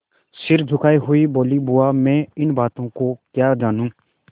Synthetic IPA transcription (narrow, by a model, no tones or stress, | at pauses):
sɪɾd͡ʒʱʊkʰaːiɦʊiːboːlibʊaːmɛ̃ːɪnbaːt̪õːkokjaːd͡ʒaːnũː